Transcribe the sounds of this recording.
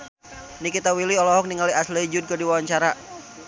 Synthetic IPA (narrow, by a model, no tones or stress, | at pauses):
nikit̪awiliɔlɔɦɔk̚niŋaliʔaslid͡ʒʊd̪̚kədiwawaɲt͡ʃaɾa